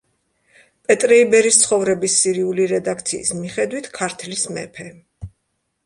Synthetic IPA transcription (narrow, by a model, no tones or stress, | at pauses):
pʼɛt̪ʼɾɛibɛɾist̪sʰχɔvɾɛbisːiɾiuliɾɛd̪akʰt̪sʰḭːsmiχɛd̪wit̪ʰkʰaɾt̪ʰlismɛ̰pʰɛ